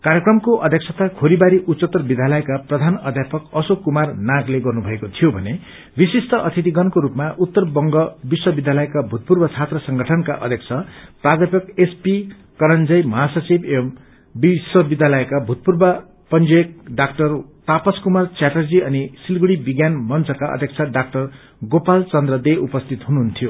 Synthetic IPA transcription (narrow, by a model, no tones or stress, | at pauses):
kaɾjekrʌmkoʔʌd̪ʱjeksʰʌt̪akʰoɾibaɾiʔutsʌt̪ːʌbid̪ʱjalʌekaprʌd̪ʱanʌd̪ʱjapʌkʌsokumarnaɡleɡʌrnubʱʌekot̪ʰijobʱʌ̰ne | bisisʈʌʔʌt̪ʰit̪̬iɡʌnkoɾupmaʔut̪ːʌrbʌŋɡʌbiswʌbid̪ʱjalʌekabʱut̪̚purbʌt͡sʰat̪rʌsʌŋɡʱʌʈʰʌnka̰ʔʌ̰d̪ʱjekt͡sʰʌprad̪ʱjapjʌkespi | kʌɾʌnd͡zʌjmʌɦasʌt͡sibem | biswʌbid̪ʱjalʌekabʱut̪̚purbʌ | pʌnd͡zek̚ɖakʈʌrt̪apʌskumart͡saʈʌrd͡ziʌnisilɡuɽibiɡjanmʌnt͡sʰʌkaʌ̰d̪ʱjʌkt͡sʰaɖak̚ʈʌr | ɡopalt͡sʌnd̪rʌd̪eʔupʌst̪ʰit̪ɦunuɦunt̪ʰijo